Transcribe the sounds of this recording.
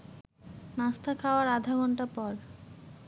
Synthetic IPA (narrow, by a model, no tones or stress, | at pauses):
nast̪ʰakʰaoaɾad̪ʱaɡɔɳʈapɔɾ